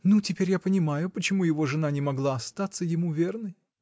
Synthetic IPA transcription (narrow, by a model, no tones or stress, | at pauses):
nutʲɪpʲeɾʲjapənʲɪmajʊpət͡ɕɪmujɪvo̞ʐɨnanʲɪmɐɡlˠaɐst̪at̪sːəjɪmuvʲe̞rnəj